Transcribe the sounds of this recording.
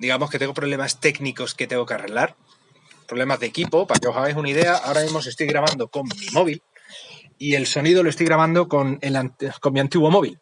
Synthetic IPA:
d̪iɣamo̞sket̪e̞ŋɡo̞pɾo̞β̞le̞mast̪e̞kniko̞sket̪e̞ŋɡo̞keare̞ɣlaɾ | pɾo̞βle̞mazðekipo̞pake̞o̞saɣ̞ejsunaiðe̞aʔa̰o̞ɾamĩzmo̞s̬est̪ojɣɾaβ̞and̪o̞ko̞ŋmimo̞βil | ie̞lso̞niðoloe̞st̪ojɣɾaβ̞and̪o̞ko̞nelanko̞mːiãnt̪iɣwo̞mo̞βil

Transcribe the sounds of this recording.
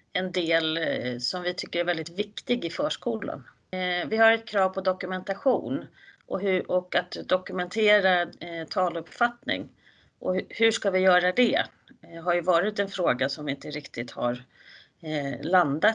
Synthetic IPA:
ɛnd̪eːlsɔmvɪt̪ʰʏkːəɾɛvɛld̪ɪt̪vɪkt̪ɪɡɪfœːʂkuːla̰n | vɪɦaɾɛt̪̚kʰɾɑːvpʰɔd̪ɔkɵmɛnt̪aɧṵːn | ʔɔɦɵʔɔkat̪d̪ɔkɵmɛnt̪ʰeːɾat̪ʰɑːlɵpfat̪nɪ̰ŋ | ʔɔhɵʂkavɪjœːɾad̪ɛ | ɦaɾjɵvɑːɾɪt̪ɛnfɾoːɡasɔmvɪɪnt̪əɾɪkt̪ɪt̪ha̰ɾ | land̪at̪

